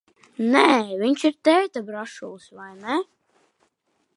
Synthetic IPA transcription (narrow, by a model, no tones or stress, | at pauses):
nɛvʲiɲʲt͡ʃiɾt̪ɛːt̪abɾaʃulˠsvajnɛ